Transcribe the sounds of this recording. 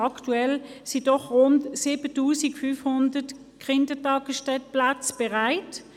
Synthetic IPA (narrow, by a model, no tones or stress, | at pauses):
ɑktuɛlsid̥ɔχʁʊntsiːbətuːsikfyfhʊndət | kʁɪndətɑːɡəsʃtɛt̚plat͡sb̥ɛʁaɪt